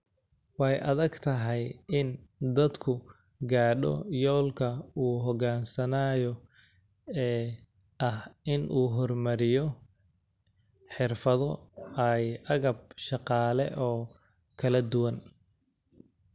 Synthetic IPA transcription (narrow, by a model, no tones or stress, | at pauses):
wħjʔɐðɐɡt̪ʰɐɦɛjɪnd̪ɐd̪kʰʊ | ɡaːɖɔ̰jɔːlkʰɐuːɦɔɣaːnsɐnaːjɔ | ɛː | ʔɐhʔɪnʔuːɦɔrmɐɾɪjɔ | ħɪrfɐðɔɐjʔɐɣɐb̚ʃɑqɑːlɛ̰ʔɔː | kʰɐlɐd̪ʊwɐn